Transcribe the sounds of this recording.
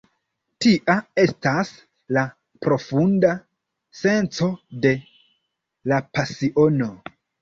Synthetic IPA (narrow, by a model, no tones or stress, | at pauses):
tiʔae̞stas | la | pɾo̞funda | se̞nt͡so̞de̞ | lapasiʔo̞no̞